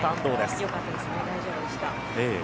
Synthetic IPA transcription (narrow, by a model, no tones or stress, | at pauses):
t̪ãnd̪oːd̪esjo̞kat̪ːad̪esɨ̥ned̪aiʑobɯ̟d̪eɕi̥t̪a | eː